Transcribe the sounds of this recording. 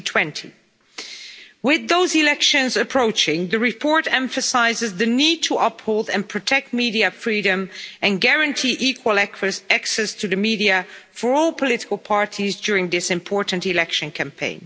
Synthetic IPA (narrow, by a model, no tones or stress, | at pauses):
tʰw̥ɛ̃ntʰḭ | wɪðoʊzilɛkʃɨ̃nzɨpʰɹ̥oʊt͡ʃɪ̃ŋðɨɹɨpʰɔɹɾɛ̃ɱfɨsaɪzɨzðɨnid̚tʰəʔʌphoʊlˠdɨ̃npʰɹ̥ɨtʰɛk̚t̚miɾiɨfɹiɾɨ̃mɨ̃nɡæɹɨ̃ntʰiʔikʰwəlˠɛkɨsæksɛstʰɨðɨmiɾiɨfə˞ɔlˠpʰəlɪɾɪkl̩ˠpʰɑɹɾʰizd͡ʒʊɹɪ̃ŋðɪsɨ̃mpʰɔɹʔn̩tɨlɛkʃɨ̃nkʰæ̃mpʰḛ̃ɪ̃n